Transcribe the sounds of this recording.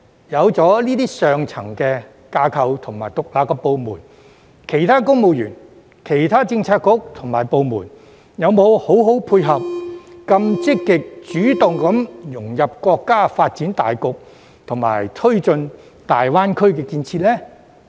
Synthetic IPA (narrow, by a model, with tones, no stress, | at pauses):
jɐ˨˧wt͡sɔː˨˥liː˥t̪iː˥sœː˨ŋt͡sʰɐ˨˩ŋkɛː˧ | kaː˧kʰɐ˨˧wt̪ʰʊ˨˩ŋma̰ː˨˩jt̪ʊ˨k̚laː˨˧pkːɛ˧po˨˧wmṵː˨˩n | kʰe˨˩jt̪ʰaː˥kʊ˥ŋmo˨˧wjy̰ː˨˩n | kʰe˨˩jt̪ʰaː˥t͡sɪ˧ŋt͡sʰaː˧t̚kːʊ˨˥k̚t̪ʰʊ˨˩ŋmaː˨˩jpo˧wmṵː˨˩n | jɐ˨˧wmo˨˧who˨˥wɦo˨˥wpʰuː˧jɦɐ˨p̚kɐ˧mt͡sɪ˥kːɪ˨k̚t͡ʃyː˨˥t̪ʊ˨ŋkɐ˨˥mjʊ˨˩ŋjɐ˨p̚kwɔː˧kːaː˥faː˧t̚t͡siː˨˥nt̪a̰ː˨jkʊ˨k̚ | t̪ʰʊ˨˩ŋma̰ː˨˩jt̪ʰɵ˥ɥt͡ʃɵ˧n | t̪aː˨jwaː˥nkʰɵ˥ɥkɛː˧kiː˧nt͡sʰi˧t̚lɛː˥